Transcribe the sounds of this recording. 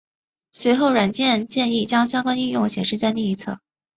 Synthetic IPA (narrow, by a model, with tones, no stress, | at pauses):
swe˧˥ɪxo˥˩ʊɻwa˨˩nt͡ɕjɛ˥˧nt͡ɕjɛ˥˧ni˥˩t͡ɕjɑ˥ŋɕjɑ˥ŋkwa˥ni˥˧jʊ˥˩ŋɕjɛ˨˩ʂɻ̩˥˧t͡ɕa˥˧ɪni˥˩i˧˥t͡sʰɤ̰˥˩